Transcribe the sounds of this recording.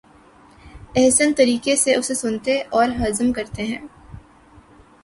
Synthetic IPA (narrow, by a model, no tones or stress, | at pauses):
ɛɦsənt̪ɐɾiːkeseʔʊsesʊnt̪eʔɔːɾɦɐzəmkɐɾt̪eɦɛ̃ː